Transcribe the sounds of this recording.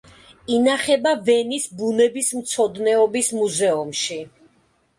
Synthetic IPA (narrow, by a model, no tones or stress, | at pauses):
inaχɛbavɛnisbunɛbismt̪sʰɔd̪nɛɔbismuzɛumʃi